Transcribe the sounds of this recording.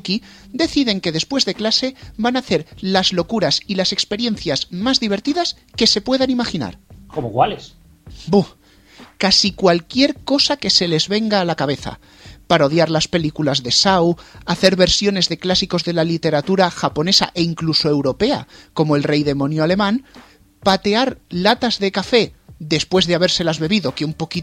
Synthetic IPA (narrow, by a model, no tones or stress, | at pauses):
ki | d̪e̞θiðe̞ŋke̞ðe̞spwe̞zðe̞klase̞banaθe̞ɾlazlo̞kuɾasilase̞kspe̞ɾje̞n̟θjazmazðiβ̞e̞ɾt̪iðas | ke̞se̞pwe̞ðanimaxina̰ɾkomokwales | bu | kasikwalkje̞ɾko̞sake̞se̞le̞zβe̞ŋɡaːlakaβ̞e̞θa̰ | paɾao̞ðjaɾlaspe̞likulazðe̞sawaθe̞ɾβe̞ɾsjo̞ne̞zðe̞klasiko̞zðe̞lalit̪e̞ɾat̪uɾaxapo̞ne̞sa̰ʔe̞iŋkluso̞e̞wɾo̞pe̞a̰ko̞moelre̞jðe̞mõ̞njoale̞mãn | pat̪e̞aɾlat̪azðe̞kafe̞ðe̞spwe̞zðeaβ̞e̞ɾse̞lazβe̞βiðo̞ke̞umpo̞ki